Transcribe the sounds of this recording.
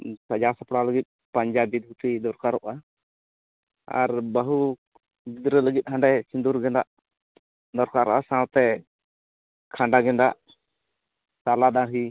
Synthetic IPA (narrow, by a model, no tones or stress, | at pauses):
sad͡ʒasapɽaləɡit̪̚ˀpaɲd͡ʒabid̪ut̪id̪ɔɾkaɾɔʔa | a̰ɾbəɦu | bid̪ɾɛləɡit̪̚ˀhaɳɖɛsind̪uɾɡɛnd̪aʔ | d̪ɔɾkaɾɔ̰ʔasãt̪ɛ | kʰaɳɖaɡɛnd̪aʔ | salad̪aɽɦi